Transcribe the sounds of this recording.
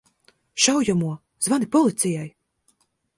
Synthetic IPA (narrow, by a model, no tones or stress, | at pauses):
ʃawjamuɔ | zvanipɔlˠit̪sʲijaj